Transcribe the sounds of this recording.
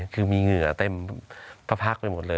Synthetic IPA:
kʰɯː˧miː˧ŋɯ˨˩˦ɐ˦t̪e˧mpʰa˦˧˥pʰa˦˥k̚pa˧jmo˨˩t̪̚lɤː˧

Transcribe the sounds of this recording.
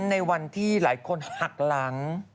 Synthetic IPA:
nːa˧jwa˧nt̪ʰiː˥˩laː˩˦jkʰo˧nha˨˩k̚la˩˦ŋ

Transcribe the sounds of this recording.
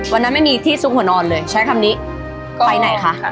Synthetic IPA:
wa˧nːa˦˥nma˥˩jmiː˧t̪ʰiː˥˩su˦˥k̚hu˩˦nɔː˧nlɤː˧jt͡ɕʰa˦˥jkʰa˧mniː˦˥ʔ | kːpa˧jna˨˩˦jkʰa˦˥ʔ

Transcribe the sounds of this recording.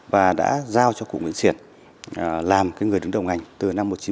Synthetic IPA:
vaː˨˩ɗa̰ː˧˥zaː˧wt͡ɕɔ˧kṵ˧˨ŋḭ˧˥ənsi˧˩ən˨ | laː˨˩mkaː˨˦jŋ˨˩ɗɨ˨˦ŋɗə˨˩wŋʔa˨˩jŋ̟t̪ɨ˨˩na˧mːo˨˩t̚t͡ɕi˨˦

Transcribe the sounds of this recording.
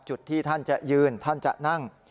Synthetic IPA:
t͡ɕu˨˩t̪ʰːiː˥˩t̪ʰa˥˩nt͡ɕa˨˩ʔjɯː˧nt̪ʰa˥˩nt͡ɕa̰˨˩ʔna˥˩ŋ

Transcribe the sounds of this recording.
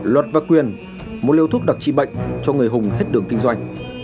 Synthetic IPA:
lwə˨˩t̚vaː˨˩kwi˨˩ən | mo˨˩t̚li˧wt̪ʰʊ˦˥k̚ɗa˨˩k̚t͡ɕḭ˧˨ɓə̰˧˨jŋ̟t͡ɕɔ˧ŋɨ˨˩əjɦʊ˨˩ŋ͡mɦe˦˥t̚ɗɨ˨˩əŋkï˧ŋ̟zwa˧jŋ̟

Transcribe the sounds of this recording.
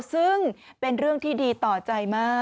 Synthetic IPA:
sɯ˥˩ŋpe˧nɾɯ˥˩əŋt̪ʰiː˥˩diː˧t̪ɔː˨˩t͡ɕa˧jmaː˥˩

